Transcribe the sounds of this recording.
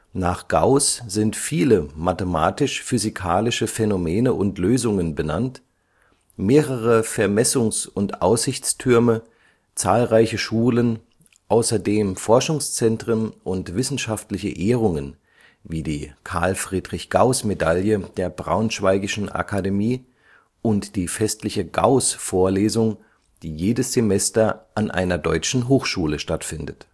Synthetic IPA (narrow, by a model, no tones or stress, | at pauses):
naːχɡ̥aʊsz̥ɪntfiːləmatemaːtɪʃfyzikʰaːlɪʃəfɛnomeːnəʔʊntløːzʊŋənbəna̰nt | meːʁəʁ̞əfɛɐmɛsʊŋsʊntʔa̰ʊsz̥ɪçt͡stʰʏɐmə | t͡saːlʁaɪçəʃuːlən | ʔaʊsɐdeːmfɔɐʃʊŋst͡sɛntʁ̥ənʔʊntv̥ɪsn̩ʃaftlɪçə̰ʔeːʁ̞ʊŋən | viːdiːkʰaɐlfʁ̥iːdʁɪçɡ̥aʊsmedaljəd̥eːɐbʁa̰ʊnʃv̥aɪɡɪʃn̩ʔa̰kʰademiː | ʔʊntd̥iːfɛstlɪçəɡa̰ʊsfoːɐleːzʊŋ | d̥iːjeːdəsz̥emɛstɐʔanʔa̰ɪnɐdɔʏt͡ʃn̩ɦoːxʃuːləʃtatfɪndət